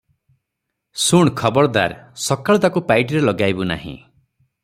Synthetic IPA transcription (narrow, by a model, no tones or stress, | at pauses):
suɳ̃kʰɔbɔɾɔd̪a̰ɾsɔkaɭd̪akupajʈiɾelɔɡajbuna̰ɦḭ̃